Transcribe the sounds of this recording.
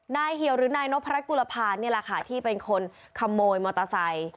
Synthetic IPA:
naː˧jɦi˨˩˦əwɾɯː˩˦naː˧jno˦˥pʰa˧ɾa˦˥ku˧la˧pʰaː˧nːi˥˩ɐla˨˧˩kʰa̰ː˦˩t̪ʰiː˥˩pe˧nkʰo˧n | kʰa˧mːoː˧jmɔ˧t̪a˧sa˧j

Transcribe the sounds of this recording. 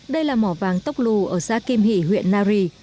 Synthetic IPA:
ɗə˧jlaː˨˩mɔ˧˩vaː˨˩ŋt̪ə˦˥wk͡p̚lu˨˩ʔəː˧˩saː˧˦ki˧mɦḭ˧˩˨ɦwḭ˧˨ənːaː˧ɾi˧

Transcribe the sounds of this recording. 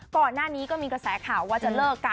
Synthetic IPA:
kɔː˨˩nːaː˥˩niː˦˥kɔː˥˩miː˧kɾa˧sɛː˩˦kʰaː˨˩waː˥˩t͡ɕa˨˩lɤː˥˩kːa˧

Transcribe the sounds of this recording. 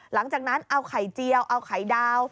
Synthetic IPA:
la˨˩˦ŋt͡ɕaː˨˩k̚na˦˥nʔa˧wkʰa˨˩˦jt͡ɕi˧əwʔa˧wkʰa˨˩˦jdaː˧w

